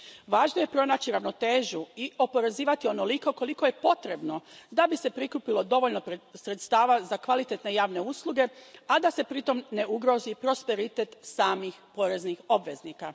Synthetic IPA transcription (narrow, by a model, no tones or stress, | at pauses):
ʋaːʒnoje̞pɾo̞naːt͡ɕiɾaʋno̞t̪eːʒuiʔo̞po̞ɾe̞ziːʋat̪io̞no̞liko̞ko̞liko̞jepo̞t̪ɾe̞bno̞d̪abise̞pɾikupilo̞d̪o̞ʋolno̞pɾesɾet̪st̪aːʋazakʋalit̪e̞t̪ne̞jaːʋne̞uːslˠuɡe̞ad̪ase̞pɾit̪o̞mne̞uɡɾo̞zipɾo̞spe̞ɾit̪et̪saːmixpo̞ɾe̞znixo̞bʋe̞zniːka